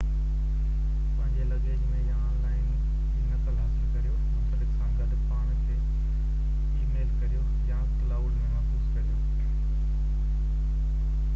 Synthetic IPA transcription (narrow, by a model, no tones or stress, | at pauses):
pɐ̃ɦɪ̃ɲd͡ʑelɐɡemẽjãːnlaːɪn | enɐkəlɦaːsɪlkɐɾijotʊt̪əɾɪksãːɡədpaːɽ̃kʰeː | iːmeːlkɐɾijo | jãːklaːɖmẽmaːsuːskɐɾijo